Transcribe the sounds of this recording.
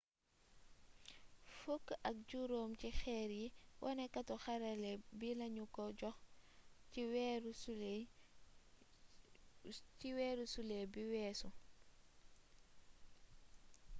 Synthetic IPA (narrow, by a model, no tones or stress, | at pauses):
fukːɐk̚ɟuɾoːmcixɛːɾjiwʔɔnɛkːɐtɔxɐɾalɛbilɐɲukɔɟɔx | wɾ | t͡ʃiwɛːɾusulɛbiwɛːsu